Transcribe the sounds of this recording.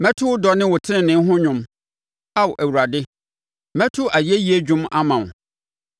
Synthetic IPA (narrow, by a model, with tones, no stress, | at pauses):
mɛ̃˦tʰʊ˦ʊ˦dɔ˨˦nɪ̃˦wʊ˨tʰɪ˦ɪ̃˨nɪ̃˨˦ɦʊ̃˦ɲʊ̃˦m | a˦wɔ˨ʔæ˨wu˨ɾa˨dɪ˦ | mɛ̃˦tʰʊ˦ʔa˨ji˨˦e˦ji˦e˦d͡ʑᶣʊ̃˦ma̰˦mã˨